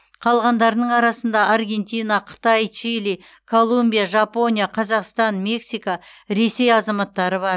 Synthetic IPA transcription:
qʰɑlˠʁɑnd̪ɑɾənəɴɑɾɑsənd̪ɑʔaɾɡʲe̞nt̪ʲijnaqʰə̥t̪ɑjt͡ʃʰilij | kʰo̞lˠumbʲijaʒapo̞nʲijaqʰɑzɑqst̪ɑnme̞ksijkaɾe̞se̞jɑzɑmɑt̪ːɑɾəβɑɾ

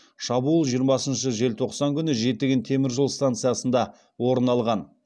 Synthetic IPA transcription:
ʃɑbuːlˠʒijəɾmɑsənʃəʒe̞lt̪ʰo̞qsɑŋkʲʰʏnɪʒe̞t̪ːɪɡʲɪnt̪ʰe̞mɪɾʒəlˠst̪ant̪sɨjasənd̪ɑ | wo̞ɾənɑlˠʁɑn

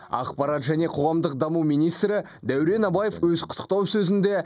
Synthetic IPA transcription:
ɑ̰qpɑɾɑt̪ʒæne̞qʰo̞ʁɑmd̪əq̚d̪ɑmumijnijst̪ɾɪ | d̪æwɾe̞nɑbaje̞fwɵzqʰʊ̥t̪ːə̥q̚t̪ɑwsɵzɪnd̪e̞

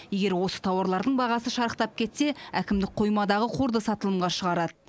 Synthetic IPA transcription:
je̞ɡʲe̞ɾwo̞sə̥t̪ʰɑwɑɾlˠɑɾd̪əɴbɑʁɑsəʃɑɾəqt̪ɑp̚kʲʰe̞t̪se̞ækʲɪmd̪ɪk̚qʰo̞jmɑd̪ɑʁəqʰoɾd̪əsɑt̪əlˠəmʁɑʃəʁɑɾɑd̪ə

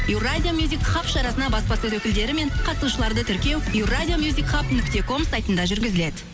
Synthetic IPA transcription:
iwrad̪ʲijomjuzʲikχapʃɑɾɑsənɑbɑspɑset̪wɵkʲɪld̪e̞ɾɪme̞ɴqʰɑsuʃəlˠɑɾd̪ət̪ʰʏɾkʲe̞wiwrad̪ʲijo̞mjuzʲikχapnʏkt̪e̞ko̞msajt̪ənd̪ɑʒʏɾɡʲɪzɪle̞d̪ɪ

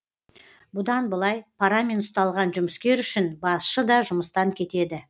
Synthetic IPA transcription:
bʊd̪ɑnbəlˠɑjpʰaɾamʲenʊst̪ɑlˠʁɑnʒʊməskʲe̞ɾʏʃɪnbɑsʃəd̪ɑʒʊməst̪ɑŋkʲʰe̞t̪e̞d̪ɪ

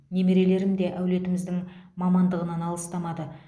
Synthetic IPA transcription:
ne̞me̞ɾe̞le̞ɾɪmd̪e̞ʔæwle̞t̪ɪmɪzd̪ɪŋmɑmɑnd̪əʁənɑnɑlˠəst̪ɑmɑd̪ə

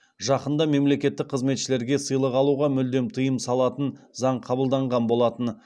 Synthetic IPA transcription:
ʒɑqənd̪ɑme̞mle̞kʲe̞t̪ːɪk̚qʰəzme̞t̪ʃɪle̞ɾɡʲe̞səjlˠəqɑlˠuʁɑmʏld̪e̞mt̪ʰəjəmsɑlˠɑt̪ənzɑɴqʰɑbəlˠd̪ɑɴʁɑnbo̞lˠɑt̪ən

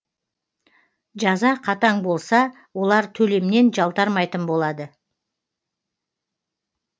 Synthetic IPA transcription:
ʒɑzɑqʰɑt̪ɑɴbo̞lˠsɑ | wo̞lˠɑɾt̪ʰɵle̞mne̞nʒɑlˠt̪ɑɾmɑjt̪ənbo̞lˠɑd̪ə

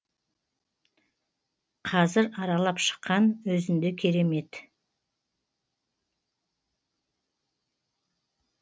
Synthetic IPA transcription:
qʰɑzɪɾɑɾɑlˠɑpʃə̥qːɑnwɵzɪnd̪ekʲʰe̞ɾe̞me̞t̪

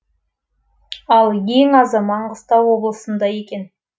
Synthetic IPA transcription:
ɑlˠjeŋɑzɑmɑɴʁəst̪ɑwo̞blˠəsənd̪ɑje̞kʲe̞n

